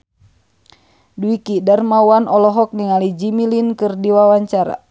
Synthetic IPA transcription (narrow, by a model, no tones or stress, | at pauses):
duikidarmawanɔlɔɦɔk̚niŋalid͡ʒimilinkɨrdiwawaɲt͡ʃaɾa̰